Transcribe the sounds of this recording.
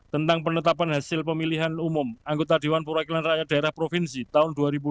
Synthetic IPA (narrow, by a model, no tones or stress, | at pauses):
t̪ənt̪aŋpənət̪apanɦasɪlpəmiliɦanumʊmaŋɡot̪adewanpəwakilanrajadaeɾahpɾofinsit̪aʊnduaɾibu